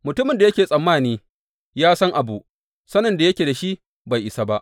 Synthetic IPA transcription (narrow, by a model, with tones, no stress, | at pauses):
mʊ˨tʊ˦mɪ˨nda˨jɐ˦kʲeː˨sʼɐ˨mːaː˦˨niː˦ | jaː˦sɐ˦ŋʔa˨bu˨ | sɐ˦nːɐ˨nda˨jɐ˦kʲeː˨da˨ʃi˦ʔ | ba˨jʔɪ˨sa˦ba˦ʔ